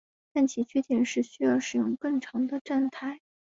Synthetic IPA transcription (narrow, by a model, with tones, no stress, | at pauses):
t̪a˥˩nt͡ɕʰi˧˥t͡ɕʰy˥˩t̪ʰi˨˩nʂɻ̩˥˩ɕy˥jɑ˥˩ʊʂɻ̩˨˩jʊ˥˧ŋkɤ˥˩ŋʈ͡ʂʰɑ˧˥ŋd̪ə˧ʈ͡ʂa˥˧nt̪ʰa˥˩ɪ